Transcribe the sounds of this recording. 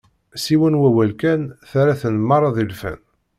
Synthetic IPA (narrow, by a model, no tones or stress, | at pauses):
siwənwæwælkænθæɾæθənəmːɑɾˤɑðˤilfæ̰n